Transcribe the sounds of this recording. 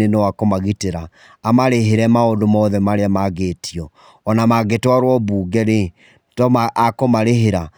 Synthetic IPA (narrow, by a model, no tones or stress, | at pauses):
enewakomaɣiteɾaː | maɾeɦeɾɛmaondomɔðɛmaɾeamaɣetʰiɔː | namaɣetaɾwɔbuːɡɛɾe | tɔmʔakomaɾeɦeɾa